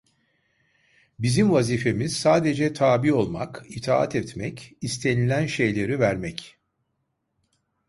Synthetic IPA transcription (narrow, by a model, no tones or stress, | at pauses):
bizimvazife̞miz̥saːd̪e̞d͡ʒɛt̪ʰaːbio̞lˠma̰kit̪ʰaːa̰t̪ʰɛt̪mɛcist̪ʰe̞nilʲænʃe̞jlʲe̞ɾivæɾmɛc